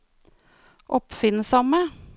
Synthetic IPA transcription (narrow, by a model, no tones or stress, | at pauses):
ʔɔpfɪnsɑmə